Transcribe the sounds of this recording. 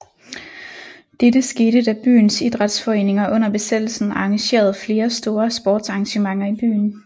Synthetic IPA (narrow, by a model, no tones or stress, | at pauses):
d̥ed̥əsɡ̥eːdəd̥æb̥y̰ːnsid̥ʁɑ̈d̥sfɒ̽e̝̰ːne̝ŋɐʔɔ̽n̰ɐb̥e̝sed̥l̩sn̩ɑ̈ŋæɕe̝̰ːɐð̞̩ˠfle̝ːɐsd̥o̝ːɐsb̥ɒːd̥sɑ̈ŋɕəmɑ̈ŋɐib̥y̰ːn